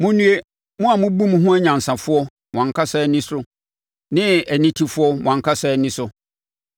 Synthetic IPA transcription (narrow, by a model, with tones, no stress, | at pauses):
mʊ̃˦nũ˦e˦ | mʊ̃˦a˨mʊ̃˦bũ˦m˦ɦʊ̃˦æ˦ɲã˨n̩˨sã˨fʊ˦ɔ˦ | mw̃ã˨kʰa˦sɛ˦nɪ̃˦sɾʊ˦ | nɪ̃˦æ˨nĩ˦tʰi˨fʊ˦ɔ˦mʊ̰̃˨ã˨ŋkʰa˦sɛ˦˨ɛ˦nɪ̃˦sʊ˨